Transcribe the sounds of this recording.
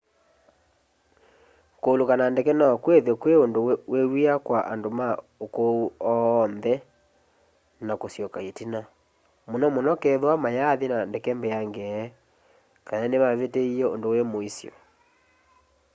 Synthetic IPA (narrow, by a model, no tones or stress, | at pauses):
koːlokanandɛkɛnaɔkweðekweondowewiakwaʔa̰ndomaokouɔːnðɛ | nakosjɔkaetina | monɔmonɔkɛðwamajaðenandɛkɛmbɛjaŋɡɛ | kananeβaβeteiɛo̰ndowemoisjɔ̰